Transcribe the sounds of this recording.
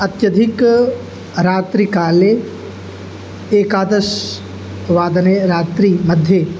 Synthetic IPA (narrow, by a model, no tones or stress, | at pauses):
ɐt̪jɐd̪ʱɪk | ɾaːt̪ɾikaːle | eːkaːd̪əʃ | ʋaːd̪əneɾaːt̪ɾimɐd̪ʱje